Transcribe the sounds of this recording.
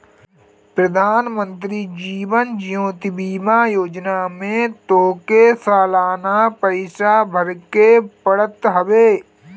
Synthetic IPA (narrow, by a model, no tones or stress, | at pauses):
pɾəd̪ʱaːnmə̃nt̪ɾid͡ʒiːʋənd͡ʒijõːt̪ibiːmajoːd͡ʒnamẽt̪oːkesaːlaːnapəɪʃabʱəɾkepəɽət̪ɦəʋeː